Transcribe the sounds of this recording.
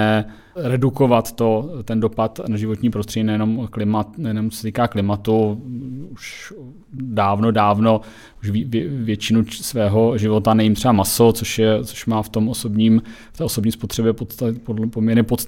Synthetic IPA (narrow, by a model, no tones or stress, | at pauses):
ɛ | ɾɛduko̞vat̪ːo̞t̪ɛndo̞pat̪naʒɪvot̪ɲiːpɾost̪r̝ɛɟiːnajɛnomklɪmat̪najɛnomt͡so̥sɛt̪iːkaːklɪmat̪u | uʃ | daːvnodaːvno̞ | uʃvivvjɛt͡ʃɪnusvɛːɦoʒɪvo̞t̪anɛjɪmt̪rɛbamaso̞t͡soʃjɛt͡soʃmaːft̪o̞mʔosobɲiːm | ft̪ɛːosobɲiːspot̪r̥ɛbjɛpot̪apopomɲɛɾɲɛpot̪st̪